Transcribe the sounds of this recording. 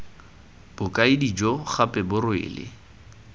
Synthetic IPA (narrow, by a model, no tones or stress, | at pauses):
b̥ʊkʼaɪdid͡ʒɔχapʼɛbʊrwɪ̰ːlɪ̰